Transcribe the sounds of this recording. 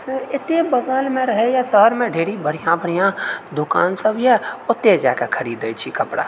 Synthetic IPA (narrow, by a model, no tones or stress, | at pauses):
sɪt̪ebəɡəlmẽɾəɦejasəɦəɾmẽɖʱeːɽibəɽ̤ijãbəɽ̤ijãd̪ʊka̰ːnsəbjɛʊt̪ːed͡ʒa̰ːkekʰəɾiːd̪ət͡ʃʰikəpɽa̰ː